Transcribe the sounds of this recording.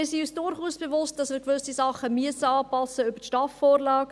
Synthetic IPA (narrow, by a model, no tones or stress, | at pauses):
ɪːsiyːsd̥ʊɾχuːsb̥evʊst̚d̥ɑsmɪːɾkʋʏsisɑχəmyəsəɑːpɑsːəøbətʃtɑfːɔːɾlɑːk